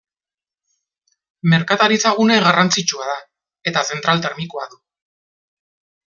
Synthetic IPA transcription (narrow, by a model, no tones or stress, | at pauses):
me̞ɾkat̪aɾit͡saɣuneɣarant͡sit͡ʃuað̞a | e̞t̪ase̞nt̪ɾalt̪eɾmikoaðu